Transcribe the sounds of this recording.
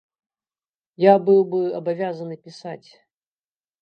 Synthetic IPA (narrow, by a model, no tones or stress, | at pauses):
jabɨlˠbɨɐbɐvʲazənɨpʲɪsatʲ